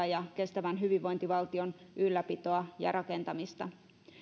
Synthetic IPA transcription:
ɑjɑke̞st̪æʋænɦyʋiʋʋo̞jnt̪iʋɑlt̪io̞nʔylːæpit̪oɑjɑ̰rɑkent̪ɑmist̪ɑ̰

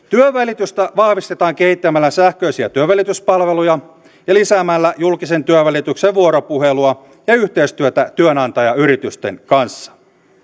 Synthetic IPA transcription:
t̪yøʋælit̪yst̪æʋɑhʋist̪et̪ɑːŋkehit̪ːæmælːæsæhkøisiæt̪yøʋælit̪yspɑlʋe̞lujɑ | jɑlisæːmælːæjulkisent̪yøʋælit̪ykseʋʋuoɾopuheluɑ | jɑyht̪eist̪yøt̪æt̪yønɑnt̪ɑjɑyɾit̪yst̪ḛnkɑnsːɑ̥

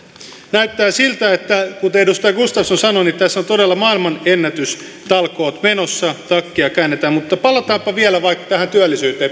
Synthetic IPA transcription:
næyt̪ːæːsilt̪æet̪ːækut̪edust̪ɑjɑɡust̪ɑfsonsɑnonit̪æsːot̪odelːɑmɑilmɑnenːæt̪ys | t̪ɑlkoːt̪menosːɑt̪ɑkːiɑkæːnːet̪æmmut̪ːɑpɑlɑt̪ɑːmpɑʋielæʋɑikːɑ̥t̪æhænt̪yælːisyːt̪eː

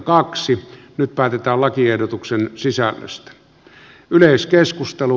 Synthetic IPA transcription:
kɑksi | nyt̪̚pæːt̪et̪æːllɑkiehdot̪uksensisælːø̰st̪æ̥ | yleˑiskeskust̪elu

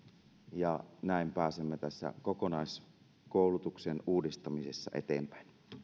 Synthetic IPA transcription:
jɑnæˑimpæːsemːet̪æsːæ̰kokonɑˑis | koˑulut̪uksenuːdist̪ɑmisesːɑ̰ʔḛt̪ḛːmpæ̥in

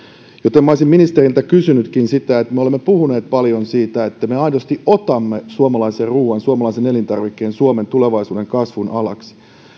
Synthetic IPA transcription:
jot̪emːɑoisimminist̪erilt̪ækysynyt̪kinsit̪æet̪meolemːepuhune̞ːt̪̚pɑljonsiːt̪æet̪ːæmeɑjnost̪iʔʔot̪ɑmːesuomɑlɑiserruːwɑnsuomɑlɑisenelint̪ɑrʋikːe̞ːnsuoment̪uleʋɑjsuːde̞ŋkɑsʋunɑlɑ̰ksi̥

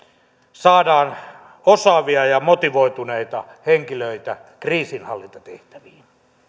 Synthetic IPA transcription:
sɑːdɑːn | osɑʋiɑjɑmot̪iʋoit̪uneit̪ɑheŋkiløit̪ækriːsinhɑlːint̪ɑt̪eht̪æʋiːn

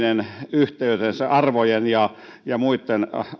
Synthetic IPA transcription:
nenyht̪eyt̪enseʔɑrʋojenjɑ | jɑmuit̪ːen

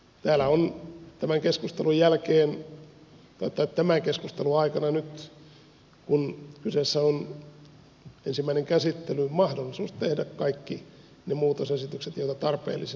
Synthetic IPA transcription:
t̪æːlæont̪æmæŋkeskust̪elujjælkeːn | t̪oit̪ːˑɑet̪t̪æmæŋkeskust̪eluɑikɑnɑnyt̪ | kunkyseːsːæon | ensimːæineŋkæsit̪ːelymɑhdolːˑisuːstt̪ehdækkɑikːi | nemuːt̪osesit̪ykset̪joˑit̪ɑt̪ɑrpḛːlːis

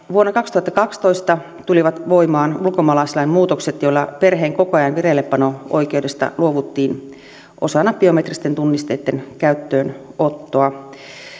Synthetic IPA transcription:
ʋuonːɑkɑkst̪uhɑt̪ːɑkɑkst̪o̞ist̪ɑ | t̪uliʋɑt̪ʋoimɑːnulkomɑlɑsilɑimmuːt̪okset̪joilːɑperɦeːŋkokoɑjɑnʋirelːepːɑnoo̰ikewdest̪ɑ̰luoʋut̪ːiːn | ʔosɑnːɑpb̥io̞met̪rist̪ent̪unːist̪eːt̪ːenkæyt̪ːøːnot̪ːoɑ

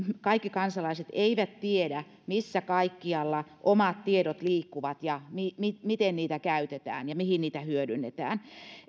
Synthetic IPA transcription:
kɑikːikɑnsɑlɑiset̪eiʋæt̪t̪iedæ | misːækɑikːiɑlːɑʔomɑt̪t̪ieɾot̪liːkːuʋɑt̪jɑmimimit̪enniːt̪ækæyt̪et̪æ̰ːnjɑmihinniːt̪æhyødynːet̪æ̰ːn

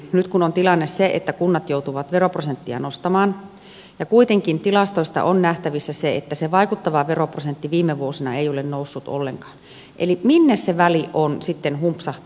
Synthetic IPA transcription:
nyt̪kunont̪ilɑnːesseḛt̪ːækunːɑt̪jout̪uʋɑt̪ʋeroprosent̪ːiɑ̰nost̪ɑmɑːn | jɑkuit̪eŋkint̪ilɑst̪oist̪ɑ̰ʔonnæht̪æʋisːæseet̪ːæseʋɑikut̪ːɑʋɑʋeroprosent̪ːiʋiːmːeʋuosinɑeijolennousːut̪o̰lːeŋkɑ̥ːn | ʔḛliminːesseʋæliʔonsit̪ːenhumpsɑht̪

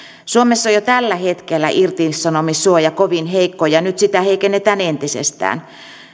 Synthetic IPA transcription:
suomesːojot̪ælːæhet̪kelːæ̰ʔirt̪isɑnomisuojɑkoʋinheikːojɑnyt̪sit̪æheikenːet̪æːnent̪isḛst̪æ̰ːn

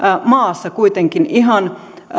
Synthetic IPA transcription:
mɑːsːɑkuit̪eŋkiniɦɑn

